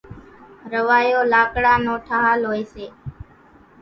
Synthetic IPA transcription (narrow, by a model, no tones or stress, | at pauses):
ɾəʋaːjoːlaːkɽaːnõːʈʰaːɦaːlɦoːeːseː